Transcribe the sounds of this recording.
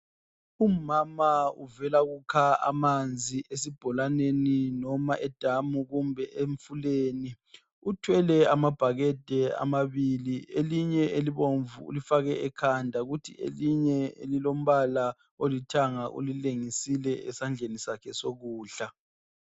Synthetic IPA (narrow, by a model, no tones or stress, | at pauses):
umamaṵvɛlaɣukʰaa̰mand͡zʱiʔesib̥ʱɔlaneninɔmaʔɛd̥ʱamuɣumbʱɛʔeɱfuleni | utʰwɛlɛamab̥ʱaɣɛd̥ʱɛa̰maβilieliɲɛeliβoɱvuṵlifaɣɛɛkʰandʱaɣutʰḭḛliɲɛḛlilom̩βala | olitʰaŋaʔṵlileŋisilɛɛsand͡ɮʱenisakʰɛsoɣuːɬa